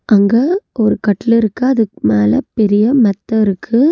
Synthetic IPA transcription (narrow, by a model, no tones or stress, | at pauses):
ʔɐŋɡɐɔɾɯkɐʈːɪlɪɾɯkːɯɐðɯkɯmeːlɐpɛɾɪjɐmɐt̪ːɐɪɾɯkʰːɯ